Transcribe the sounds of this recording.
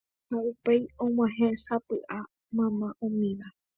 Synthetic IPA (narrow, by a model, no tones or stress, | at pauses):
naupejõŋ̃ʷãɦẽsapɨʔa | mãmãʔõmĩʋa